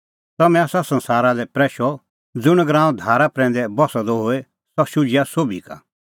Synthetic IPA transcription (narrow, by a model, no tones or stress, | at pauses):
t̪ɐmɛ̃asasɐ̃nsaːɾalɛpɾɛːʃɔ | d͡zʊɽ̃ɡɾãːũd̪ʱaːɾapɾɛ̃ːn̆d̪ɛbɔsad̪ɔɦoɛ | sɔʃʊd͡ʒɪjasoːbʱika̰